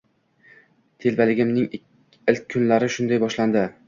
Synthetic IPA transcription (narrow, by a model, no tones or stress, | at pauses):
t̪ʰe̞lbalɪɡʲɪmnɪŋ | ɪlk̚ʲʰːʊnlaɾɪʃʊnd̪ajbɒʃland̪ɪ